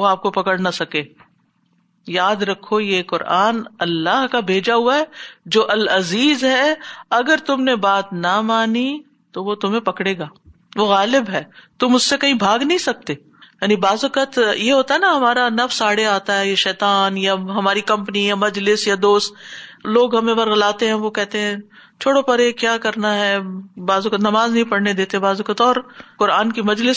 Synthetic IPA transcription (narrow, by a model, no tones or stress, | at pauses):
oaːp̚kopɐkəɽnɐsɐkeː | jaːd̪ɾɐkʰːojekʊɾʔaːnɐlːaɦkabʱeːd͡ʒaɦʊaɦɛːd͡ʒoːʔɐlɐziːzɦɛɐɡəɾt̪ʊmnebaːt̪nɐmaːni | t̪oʋot̪ʊmẽpɐkɽeːɡaː | ʋoɣaːlɪbɦɛːt̪ʊmʊssekɐɦĩbʱaːɡnɐɦĩsɐk̚t̪eː | jaːnibaːzʊkət̪jeɦoːt̪aɦɛnaɦɐmaːɾanɐfsaːɽeaːt̪aɦɛjeʃɛːt̪aːnjaɦɐmaːɾikɐ̃mpnijamɐd͡ʒlɪsjad̪oːst̪loːɡɦɐmẽʋɐɾɣɐlaːt̪eɦɛ̃ʋokɛɦt̪eɦɛ̃ | t͡ʃʰoːɽopɐɾekjaːkɐɾnaɦɛːbaːzʊkət̪nɐmaːznɐɦĩpɐɽned̪eːt̪eɦɛ̃baːzʊkət̪ɔːɾkʊɾaːnkimɐd͡ʒlɪs